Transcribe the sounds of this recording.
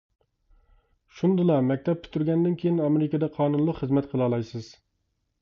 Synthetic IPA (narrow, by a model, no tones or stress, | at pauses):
ʃund̪ɨlˠɑmɛk̚ʲt̪ʰɛp̚t̪ʰy̥t̪ʰːyɾɡʲɛnd̪ɪnkʲʰejiɪnɑmeɾɪkʲɑd̪ɛqʰɑːnunlˠəqχəzmɛt̪qʰəlˠɑlˠɑjsɨz̥